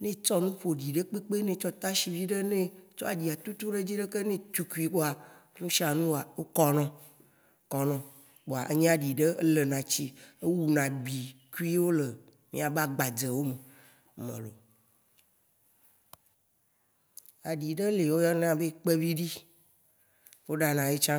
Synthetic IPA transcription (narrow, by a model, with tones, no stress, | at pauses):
nẽ˦t͡ʃɔ˦nũ˦ɸo˨ɖi˨ɖe˦k͡pe˦k͡pe˦nẽ˨t͡ʃɔ˦t̪a˦ʃi˨vi˦ɖe˦nẽ˦t͡ʃɔ˦a˨ɖi˨a˨t̪u˦t̪u˦ɖe˦d͡ʑi˦ɖe˦ke˦nẽ˦t̪u˦ku˦i˨k͡po˦a˨nũ˦ʃi˦a˨nũ˦wa˨wo˦kɔ˦nɔ̃˦ | kɔ˨nɔ̃˨ | k͡po˨a˨ʔḛ˦ɲ̃˦a˨ɖi˨ɖe˦e˦le˨nã˨t͡ɕi˦e˦wu˨nã˨ɡ͡bi˨ku˦i˦wo˦le˨ | mḭ̃˦a˨ba˦ɡ͡ba˨d͡ze˨wo˦me˨ | mḛ̃˨lo̰˨ | a˨ɖi˨ɖe˦le˨wo˦jɔ˦ñ˦a˨be˦k͡pe˦vi˦ɖi˦ | wo˦ɖa˨nã˨je˦t͡ʃã˦